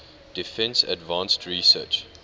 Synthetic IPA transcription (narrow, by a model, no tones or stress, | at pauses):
d̥ifɛ̃nsə̰dvãnstʰɹisət͡ʃ